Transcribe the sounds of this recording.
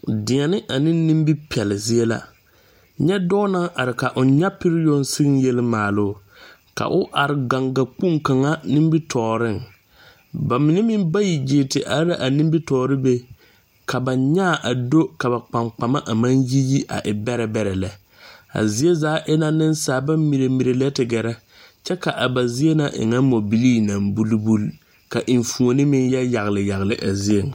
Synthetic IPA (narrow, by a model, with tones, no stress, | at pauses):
dɪ˨ŋɛ˨nɪ˦ʔa˨nɪ̃˦n˦nĩ˦mbi˦pi˨ɛ˨lɪ˨zɪ˦e˦la̰˦ | ɲɛ˦dɔ˦na˦ŋʔa˨ɾɪ˨ka˨ʔʊ˨n˦ɲɛ˦pɪ˦ɾɪ˦jo˦nsɪ˦ɣɪ˦nje˦lɪ˦maː˨lʊ˦˨ | ka̰˨ʔʊ˦ʔa˨ɾɪ˨ɡa˨ŋɡa˨k͡pu˦ŋka˨ŋa˦nɪ˦mbi˦tʰɔː˨ɾɪ˦˨ŋ | ba˨mɪ˨nɛ˦mɪ˦mba˦ji˨d͡ʒɪ˨tɪ˨ʔa˨˦ɾa˦ʔa˨ni˦mbi˦tɔː˨ɾɪ˦be˦ | kʰa˨ba˨ɲaː˦˨ʔa˨do˦ka˨ba˨k͡pa˨ŋk͡pa˨ma˦ʔa˨ma˦nji˦ji˦ʔa̰˨ʔɪ˨bɛ˦ɾɛ˨bɛ˨ɾɛ˨lɛ˨ | a̰˨zi˨˦e˦zaː˨˦ʔɪ˦na˦nɪ˦n˦saː˨˦ba˦mmi˨ɾe˨mi˨ɾe˨lɛ˦tɪ˨ɡɛ˨ɾɛ˦ | t͡ʃɛ˦ka˨ʔa˨ba˨zɪ˦e˦na˨ʔɪ̰˨ŋa˦mo˨bi˦liː˦na˨mbu˦lu˦bu˦l | ka˨ʔi˨ɱfu˨o˨nɪ˦mɪ˦njɛ˦ja˨ɣlɪ˨ja˨ɣlɪ˨ʔa˨zi˦e˨ŋ